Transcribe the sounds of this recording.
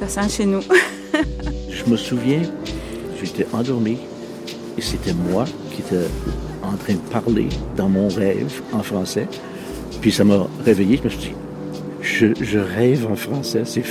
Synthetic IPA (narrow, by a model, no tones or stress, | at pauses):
sasɛ̃ʃenu | ʒəməsuvjɛ̃ | ʒet̪ʰɛʔɑ̃d̪ɔʁmi | eset̪ʰɛmwakʰʲiet̪ʰɛ | ɑ̃t̪χɛ̃d̪əpaʁlḛd̪ɑ̃mɔ̃ʁɛ̰v | ɑ̃fχɑ̃sɛ | pɥisaməʁevɛjeʒəməʒid̪ḭ | ʒəʒəʁɛvɑ̃fʁɑ̃sɛsɛ